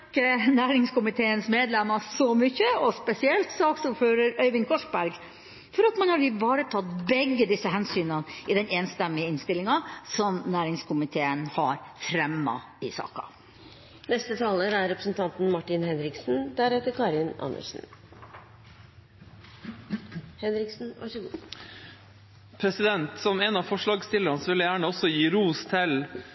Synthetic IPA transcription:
kːənæːɾɪŋskʊmɪt̪ʰeːənsmeːd̪lɛmːɑsɔmʏçəɔspɛsɪɛlt̪sɑːɔksɔføːɾəɾœʏʋɪŋkʰɔʂbæɾɡ | fɔɾɑt̪mɑnhɑɾɪʋɑːɾət̪ʰɑt̪bɛɡːəd̪ɪsːəɦɛnsyːnɑnʔɪd̪ɛneːnst̪ɛmːɪəɪnst̪ɪlɪŋɑsɔmnæːɾɪŋskʰʊmɪt̪ʰeːənhɑɾfɾɛmːɑ̰ | ɪsɑ̰ːkɑ̰ | nɛst̪ət̪ʰɑːləɾæɾɾɛpɾəsn̩t̪ʰɑnt̪n̩mɑʈɪnhɛnɾɪksn̩d̪æɾɛt̪ːəɾkʰɑɾɪnɑ̰nə̰ʂn̩ | hɛnɾɪksn̩ʋɑ̰ | pʰɾɛsɪd̪ɛnt̪sɔmeːnɑfɔʂɭɑːɡst̪ɪləɾɑnsʋɪləjæːɳəɔsɔjiːɾuːst̪ʰɪl

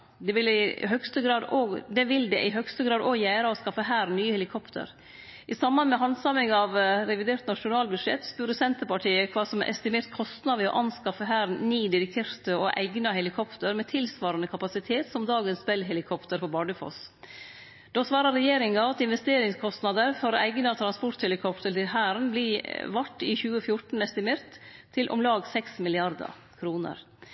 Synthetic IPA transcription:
d̪ɛʋɪlɪɦœɡst̪əɡɾɑːd̪oːɡd̪ɛʋɪld̪ɛʔɪɦœɡst̪əɡɾɑːd̪oːɡjæːɾəɔskɑfəɦæːɾnyːəhɛlɪkʰɔpt̪ʰə̰ɾ | ʔɪsɑmːɑnmɛɦɑnd̪sɑmɪŋɑʋɾɛʋɪd̪eːɾt̪nɑʂʊnɑːlbʉd̪ʂɛ̰t̪ːspʉːɾəsɛnt̪əɾpɑʈʰiːəkʰʋɑːsɔm̰ʔɛ̰st̪ɪmeːɾt̪kʰɔst̪nɑd̪əɔ̰ʔɑnskɑfəɦæːɾniːd̪ɪɾɪkʰeːɾt̪əɔʔæ̰ɪɡnɑɦɛlɪkʰɔpt̪əɾmɛːt̪ʰɪlsʋɑːɾɑnəkʰɑpɑsɪt̪ʰeːt̪sɔmd̪ɑːɡənsbɛlɦɛlɪkʰɔpt̪əɾfɔbɑːɖəfɔ̰s | d̪̥oːsʋɑːɾɑɾɛjeːɾɪŋɑɑt̪ɪnʋɛst̪eːɾɪŋskʰɔst̪nɑd̪əɾfɔɾæɪɡnɑt̪ʰɾɑnspɔʈ̪hɛlɪkʰɔpt̪əɾt̪ɪlhæːɾnblɪʋɑʈːɪçʉːəfjʊʈn̩ɛst̪ɪmeːɾt̪ʰː | ɪlʔɔ̰mlɑːɡsɛksmɪlɪɑɾd̪ə̰ | kʰɾuːnə̰ɾ

